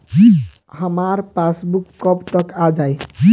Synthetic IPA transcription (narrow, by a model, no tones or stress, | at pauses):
həmaɾpasbukːɔbt̪ʌkad͡ʒaj